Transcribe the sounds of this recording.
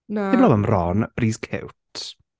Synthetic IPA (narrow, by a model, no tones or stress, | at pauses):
nɪblɔwəmrɔnb̥riːskʰɪ̰wtʰ